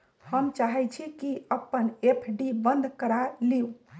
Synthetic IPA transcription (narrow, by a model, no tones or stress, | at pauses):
həmt͡ʃaɦɛt͡ʃʰikiəpːənepʰɖibənd̪ʱkəɾaliu